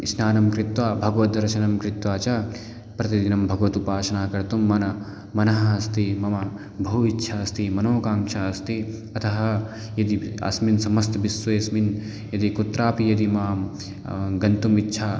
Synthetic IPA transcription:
ʃnaːnɐmkɾɪt̪ʋaːbʱɐɡɐʋɐt̪̚d̪ɐɾʃɐnɐmkɾɪt̪ʋaːt͡ʃaː | pɾɐt̪id̪inɐmbʱɐɡɐʋɐt̪upaːʃɐnaːkɐɾt̪umːɐnɐ | mɐnɐɦɐɐst̪imɐmɐ | bʱɐɦuitːʃʰaːɐst̪imɐnoːkaːŋʃaːɐst̪i | ɐt̪ʰɐɦɐ | jɐd̪iɐ̰sminsɐmɐst̪ɐbisʋɐɐsmin | jɐd̪ikut̪ɾaːpijɐd̪imaːm | ɡɐnt̪umitːʃʰaː

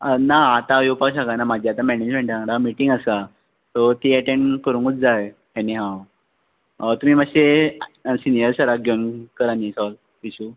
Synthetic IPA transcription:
naːt̪ajopaɕ̬akanamad͡ʑʱiat̪amɛned͡ʑmẽɳʈãŋɽamiʈĩŋɡəsa | t̪ɔt̪iɛʈeɳɖkəɾuŋɡut͡sd͡zajɦɛ̃niɦãw | t̪um̤iːmaɕe | sinijəɾsaɾaɡjonkəɾanisɔl | iɕu

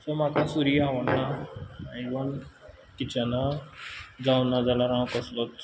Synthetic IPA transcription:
sɔmakʰasuɾiːaʋənːaaiʋən | kit͡ɕana | d͡zaunad͡zalaɾãwkəslɔt̪

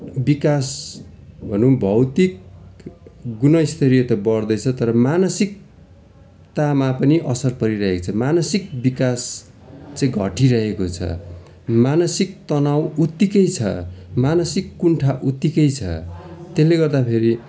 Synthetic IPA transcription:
bikas | bʱʌnũbʱʌwt̪ik | ɡunʌist̪ʰʌɾijʌt̪ʌbʌrd̪ʌjt͡sʰʌt̪ʌɾʌmanʌsik̚ | t̪amapʌniʔʌsʌrpʌɾiɾʌɦeko̥t͡sʰʌmanʌsik̚bikas | t͡sʌĩɡʱʌ̰ʈiɾʌɦekot͡sʰʌ̰ | manʌsik̚t̪ʌnawut̪ːikʌjt͡sʰʌ̰manʌsikːuɳʈʰaʔut̪ːikʌjt͡sʰʌ̰t̪eleɡʌrd̪apʰeɾi

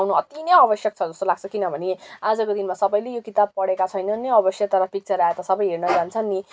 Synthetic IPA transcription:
wnuʌ̰t̪inʌabʌsjʌk̚t͡sʰʌd͡zʌst̪olaɡ̚t͡sʰʌkinʌbʱʌnead͡zʌkod̪inmasʌbʌjlejokit̪ab̚pʌɽekat͡sʰʌjnʌneʌbʌsjʌt̪ʌɾʌpʰik̚t͡sʰʌɾaet̪ʌsʌbʌjɦernʌd͡zant͡sʰʌnːi

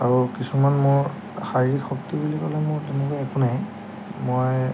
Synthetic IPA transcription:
aɹukisumanmʊɹ | xaɹikxɔk̚tibulipalɛmʊɹtɛnɛkajakunɛ | mɔj

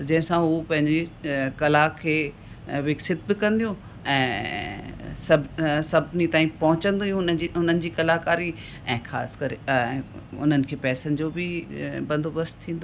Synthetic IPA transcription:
t̪ɐd͡ʑɐ̃ɦɪ̃sãɦupɐ̃ɦɪ̃ɲd͡ʑekɐlakʰeː | ʋɪksɪt̪̚bɪkɐ̃nd̪ijũ | ɛ̃ː | sɐbsɐbnit̪aːĩpɐɦʊ̃t͡ɕə̃nd̪uijũʊnəd͡ʑiʊn̤ənɪ̆d͡ʑiːkɐlaːkaːɾi | ɛ̃ːxa̰ːskɐɾeɛ̃ʊ̰n̤ənɪ̆kʰeːpɛːsənɪ̆d͡ʑoːbɪbɐ̃nd̪ʱobɐst̪t̪ʰːĩːnd̪o

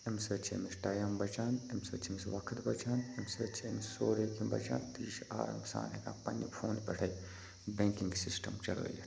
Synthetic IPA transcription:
emsət͡ʃʰḛmisʈɐjaːmbɐt͡ʃaːnemsət͡ʃʰimisʋɐkʰt̪bɐt͡ʃaːnemsət͡ʃʰemissoːɾekimbɐ̰t͡ʃa̰ːnt̪iːʃa̰ːɾɐ̰̃ŋɡsa̰ːneka̰ːpɐnjipʰoːnpʲɛʈʰɐj | bẽːŋkĩŋɡsisʈɐmt͡ʃɐlə̰ːjḛt̪

